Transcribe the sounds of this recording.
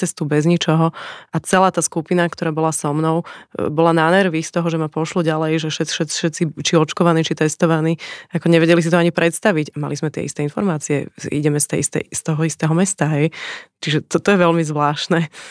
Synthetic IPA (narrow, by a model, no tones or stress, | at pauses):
t͡sɛst̪ubɛzɲit͡ʃɔɦɔʔat͡sɛlaːt̪aːskupinakt̪ɔɾaːbɔlasɔmnɔʊbɔlanaːnɛɾʋixst̪ɔɦɔʒɛmapɔʃlɔɟalɛjʒɛʃɛʃɛ̥ʃɛt̪t͡sit͡ʃiɔt͡ʃkɔʋaniːt͡ʃit̪ɛst̪ɔʋaniːakɔɲɛʋɛɟɛlis̬it̪ɔaɲipɾʔɛt̪st̪aʋiɟama̰lizmɛt̪ɪɛ̰ḭst̪ɛinfɔɾmaːt͡siɛḭɟɛmɛst̪ɛ̰ist̪ɛ̰st̪ɔɦɔist̪ɛɦɔmɛst̪aɦɛjt͡ʃiʒɛt̪ɔt̪ɔjɛʋɛlmizʋlaːʃnɛ